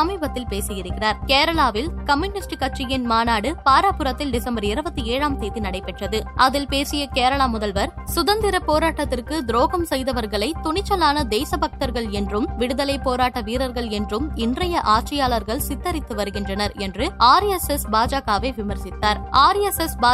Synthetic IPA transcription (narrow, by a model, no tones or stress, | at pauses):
ɐmiːbɐt̪ːɪlpeːsɪjɪɾɯkːɪraɾkeːɾɐɭaːʋɪlkɐmjʊnɪsʈkɐʈ̚t͡ʃːɪjɪnmaːnaːɽɯpaːɾapɯɾɐt̪ːɪlɖɪsɐmbɐɾɪɾɯbɐt̪ːɯeːɻaːmseːðinɐɽɐɪpːɛʈrɐðɯʔɐðɪlpeːsɪjɐkeːɾɐɭaːmʊðɐlʋɐɾsʊðɐnd̪ɪɾɐpːoːɾaːʈːɐt̪ːɪrkɯd̪ɾoːɣɐmsɛjðɐʋɐɾɣɐɭɐɪt̪ʊɳɪt͡ʃːɐlaːnɐd̪eːsɐbɐk̚t̪ɐɾɣɐɭɛndrɯmʋɪɽɯðɐlɐɪpːoːɾaːʈːɐʋiːɾɐɾɣɐɭɛndrɯmɪndrɐjɐʔaːʈ̚t͡ʃɐjaːɭɐɾɣɐɭsɪt̪ːɐɾɪt̪ːɯʋɐɾɯɣɪndrɐnɐɾɛndrɯaːɾɛsɛsbaːd͡ʒaːɣaːʋeːʋɪmɐɾsɪt̪ːaːɾaːɾɛsɛsbaː